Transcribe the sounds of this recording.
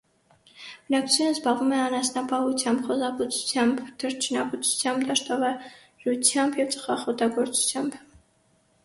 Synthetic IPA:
b̥ənɑkʰt͡sʰut͡sʰjunəzbɑlvumɛɑnɑsnɑpʰɑut͡sʰjɑmbχɔzɑput͡sʰu̥t͡sʰjɑmbd̪̥əɾt͡ʃʰnɑput͡sʰu̥t͡sʰjɑmbd̪ɑʃt̪ɔvɑ | ɾut͡sʰjɑmbjɛvt͡sʰʼə̥χɑχɔt̪ɑɡɔɾt͡su̥t͡sʰjɑmb

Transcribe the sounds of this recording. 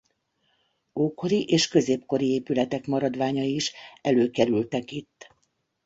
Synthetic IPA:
oːko̞ɾiʔeːʃkø̞zeːpko̞ɾieːpylɛt̪ɛkmɒɾɒd̪ʋaːɲɒiʃɛløːkɛɾylt̪ɛkit̪ː

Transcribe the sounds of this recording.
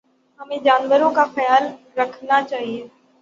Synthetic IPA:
ɦɐmẽd͡ʒaːnʋəɾõkafɐjaːl | ɾɐkʰnat͡ʃaːɦieː

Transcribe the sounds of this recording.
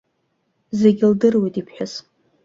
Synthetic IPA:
zeɡʲɪldɨrwejtʼipʰħʷᶣʊs

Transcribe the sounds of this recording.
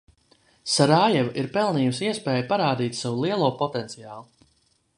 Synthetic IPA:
saɾaːjɛvaʔiɾpɛlˠniːjusiɛspɛːjpaɾaːd̪iːt̪ʲsawulˠiɛlˠuɔpɔt̪ɛnt̪sijaːlˠu

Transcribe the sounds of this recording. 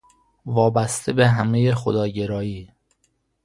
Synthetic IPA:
vɒːbæst̪ʰebe̞ɦæme̞jexod̪ɒːɟe̞ɾɒːjiː

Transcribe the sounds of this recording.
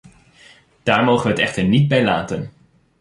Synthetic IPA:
d̥aːɹmowχəʋəɦətɛχtəɹnid̚bɛjlaːtən

